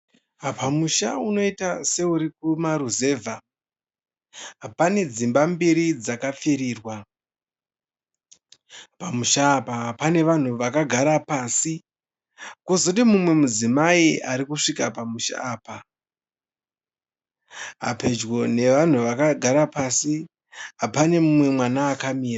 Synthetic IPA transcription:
apamuʃauno̞itase̞uɾikumaɾuze̞ːvʱa | pane̞d͡zimbambiɾid͡zakap͡fiɾiːrwa | pamuʃaːpapane̞ʋan̤uʋakaɡʱaɾapaːsi | kozotimumwe̞mud͡zimaiaɾikuʂikapamuʃa̰ːpa | ɦa̰pe̞d͡ʒɡo̞ne̞ʋan̤uʋakaɡʱaɾapasi | ɦapane̞mumwe̞mwanaːkamiːra

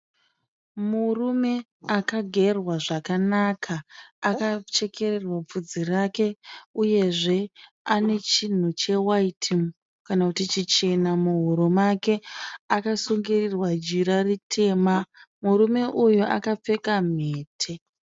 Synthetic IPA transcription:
murume̞ | akaɡʱe̞rwaʐakanakʰaːkat͡ʃe̞ke̞rerwap͡fud͡zirake̞uje̞ʐe̞ | ane̞t͡ʃin̤ut͡ʃe̞waitʰim | kanakutit͡ʃit͡ʃe̞namuɦuɾumake̞akasuŋɡirirwad͡ʒiɾaritʰe̞ːmamuɾume̞ʔujuʔa̰kap͡fe̞kam̤eːtʰe̞

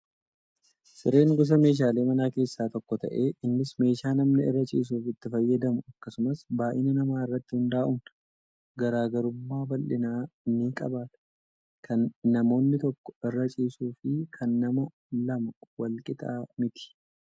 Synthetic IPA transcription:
sɪɾe̞ːŋɡʊs̬ɐme̞ːʃ̬aːle̞ːmɐnaːke̞ːsːaːt̪ɔkːɔt̪ɐ̰ʔe̞ːɪnːɪsme̞ːʃaːnɐmnɪɪ̰rːɐt͡ʃʼḭːs̬uːfɪt̪ːɪfɐjːɐd̪ɐmʊɐkːɐsʊmɐsbaːʔɪnɐnɐmaːɪrːɐt̪ːɪhʊnd̪aːʔʊmn | ɡɐɾaːɡɐɾʊmːaːbɐlʔɪnaːniːkʼɐbaːt̪ɐ̥ | kʰɐnːɐmo̞ːnːɪt̪ɔkːɔ̥ɪrːɐt͡ʃʼiːsuːfɪkʰɐnːɐmɐ | lɐmɐwɐlkʼɪt̪ʼa̰ːmɪt̪ɪ̥

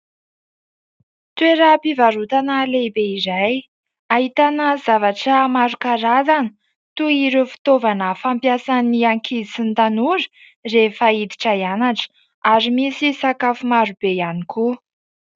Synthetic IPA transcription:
t̪weɾapivaɾut̪analebeizaj | aɦit̪anəzavaʈ͡ʂəmaɾukaɾazan | t̪uiɾufi̥t̪ovanəfampjasaniaŋkʰiit͡sint̪anuɾə̥ | refaid̪i̥ʈ͡ʂaianaʈ͡ʂə̥ | aɾimisisakafumaɾub̥ejanikʰu

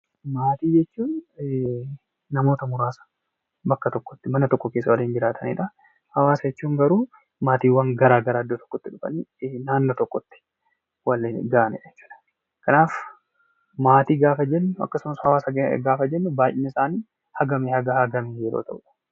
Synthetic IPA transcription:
maːt̪iːd͡ʒɛt͡ʃːuːn | ɐmo̞ːt̪ɐmʊɾaːsɐ̥ | bɐkːɐt̪ɔkːɔ̥t̪ːɪmɐnɐt̪ɔkːɔkeːsːɐwɐliːnd͡ʒɪɾaːt̪ʰɐnɪ̰ᶑɐ | hɐwaːsɐd͡ʒɛt͡ʃːuːŋɡɐɾuː | maːt̪iːwɐŋɡɐɾaːɡɐɾaːɐd̪ːoːt̪ɔ̥kːɔt̪ːɪᶑʊfɐ̰nnaːnːot̪ɔkːɔt̪ːɪ̥ | wɐlɡaːnɪ̰ᶑɛt͡ʃːu̥ːᶑɐ̥ | kɐnaːf | maːt̪iːɡaːfɐd͡ʒɛnːʊɐ̰kːɐsʊmɐshɐwaːsɐɡaːfɐd͡ʒɛnːʊbaːjʔɪnɐɪsaːniː | hɐɡɐmhɐɡɐhɐɡɐmijeːɾo̰ːt̪ɐʔʊᶑɐ̥

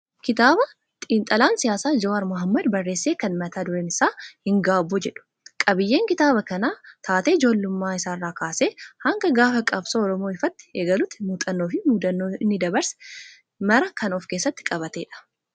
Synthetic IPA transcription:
kɪt̪aːbɐ | t̪ʼiːnt̪ʼɐlaːnsɪjaːsaːd͡ʒɐwɐɾmʊɦɐmːɐd̪bɐrːe̞ːsːeːkɐnmɐt̪ʰaːd̪ʊɾeːnɪsaːhɪŋɡaːbːʊd͡ʒɛᶑʊ̥ | kʼɐbɪjːe̞ːŋkɪt̪aːbɐkɐnaːt̪ʰaːt̪eːɪd͡ʒo̞ːlːʊmːaːɪsaːrːaːkaːseːhɐŋɡɐɡaːfɐkʼɐbsoːɔɾɔmo̞ːɪfɐt̪ːɪ̥eːɡɐlʊt̪ːɪmuːt̪ʼɐnːo̞ːfɪmuːd̪ɐnːoːɪnːɪd̪ɐbɐɾsɛ̥ | mɐɾɐkɐnɔfke̞ːsːɐt̪ːɪ̥kʼɐbɐt̪eːᶑɐ̥

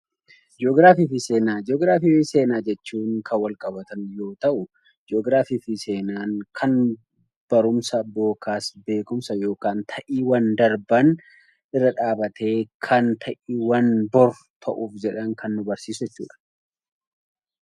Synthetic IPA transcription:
d͡ʒoːɡɾaːfiːfɪse̞ːnaːd͡ʒoːɡɾaːfiːfɪse̞ːnaːd͡ʒɛt͡ʃːuːŋkʰɐwɐlkʼɐbɐt̪ɐnjo̞ːt̪ɐʔʊ | d͡ʒoːɡɾaːfiːfɪse̞ːnaːŋkʰɐn | b̥ɐɾʊmsɐbo̞ːkaːsbe̞ːkʊmsɐjo̞ːkaːnt̪ʰɐʔiwɐnd̪ɐɾbɐn | ɪrːɐᶑaːbɐt̪ʰe̞ːkʰɐnt̪ʰɐʔiwɐnbɔɾ | t̪ʰɐʔuːfd͡ʒɛᶑɐnkʰɐnːʊbɐɾsiːsʊd͡ʒɛt͡ʃːṵːᶑɐ̥

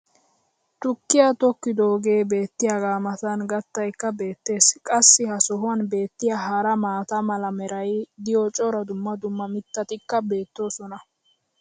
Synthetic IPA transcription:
t̪ʊkːɪjat̪ɔkːɪd̪oːɡe̞ːbe̞ːt̪ːɪjaɡaːmɐt̪ɐnɡɐt̪ːɐjkːɐbe̞ːt̪ːe̞ːskʼɐsːɪhɐsɔɦʊɐnbe̞ːt̪ːɪjaɦɐɾɐmaːt̪ɐmɐlɐmɛɾɐjd̪ɪjɔt͡ʃʼɔɾɐd̪ʊmːɐd̪ʊmːɐmɪt̪ːɐt̪ɪkːɐbe̞ːt̪ːo̞ːsɔnɐ

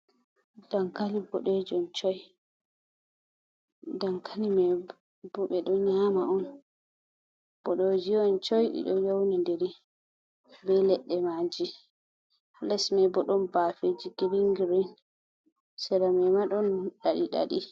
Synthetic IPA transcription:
d̥aŋkalibɔɗed͡ʒɔnt͡ʃɔj | dankʰalimɛ | bɔɓɛɗɔnɲamaɔn | b̥ɔɗod͡ʒiɔnt͡ʃɔjɗḭɗɔjownandeɾi | bɛlɛɗːɛmad͡ʒi | lɛsmɛbɔɗɔnbaːfed͡ʒiɡiɾiŋɡiɾin | sɛɾamɛmaɗɔnɗaɗiɗa̰ɗi

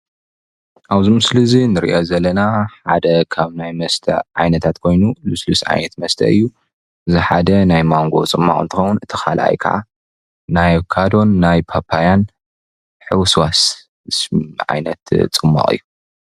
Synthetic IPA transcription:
ʔaβzimɨslɨzinɨɾḭʔazɐlːɐnaħad̪ɐkʰaβnajmɐst̪ʰɐ̰ʕa̰jnɐt̪ʰat̪kʰo̞jnuluslusʕa̰jnɐt̪mɐst̪ʰɐ̰ʔɨjːu | ʔɨziħad̪ɐnajmaŋɡo̞̰t͡sʼɨmːa̰χʼɨnt̪ʰɨxɐwːunɨt̪ʰːɨ̥xa̰lʔa̰jkʰɐ̰ʕa̰ | najkʰad̪o̞nːajpʰapʰːajan | ħɨwswas | ʕa̰jnɐt̪t͡sʼɨmːa̰χʼɨ̰jːu

